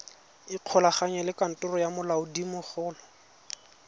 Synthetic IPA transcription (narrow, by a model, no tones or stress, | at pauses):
ɪq͡χʰɔlaχaɲɛlɪkan̩tʼʊrɔjamʊlaʊdimʊχʊːlɔ